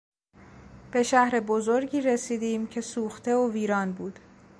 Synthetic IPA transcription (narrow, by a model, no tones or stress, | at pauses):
b̥e̞ʃæhɾe̞bozoɾɟiːɾe̞siːd̪iːmcʰe̞suːxt̪ʰe̞oviːɾɒːnbuːd̪̥